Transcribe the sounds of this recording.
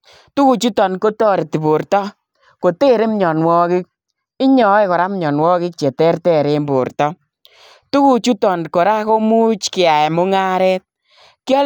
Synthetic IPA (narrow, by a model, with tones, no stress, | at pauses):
tu˦ku˨t͡ʃu˦tɔ˨nko˦tɔ˦ɾe˨ti˨bo˨ɾtɔ˦ | ko˨te˦˨ɾe˦m˦ɲɔ˨nwɔ˦kɪ˦k̚ | ɪ˦ɲɔ˨˦e˦ko˨ɾa˦mɲɔ˨nwɔː˦kɪ˦k̚t͡ʃe˨tɛ˦rtɛ˦˨ɾe˦mbo̰˨ɾtɔ˦ | tu˦ku˨t͡ʃu˦tɔ˨nko˨ɾa˦ko˦mu˦t͡ʃkɪ˨a˨e˨mʊ˦ŋa˦ɾɛ˦t̚ | kjɔ˦